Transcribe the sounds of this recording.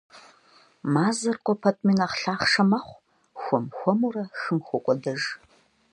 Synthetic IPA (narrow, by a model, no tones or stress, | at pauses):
maːzɐrkʷʼɔpʰɐtʼminaχɬaːχʂɐmɐχʷ | xʷɔmxʷɔmurɐxɨmxʷɔkʷʼɔdɐʒ